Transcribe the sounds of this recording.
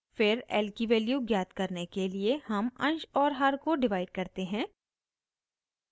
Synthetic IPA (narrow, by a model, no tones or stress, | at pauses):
fɪɾɛ̰ːlkiʋɛːljuɡjaːt̪kɐɾnekeliehɐmɐ̰̃nʃɔːɾɦɐɾkoɖɪʋaːɪɖ̚kɐɾt̪eɦɛ̃ː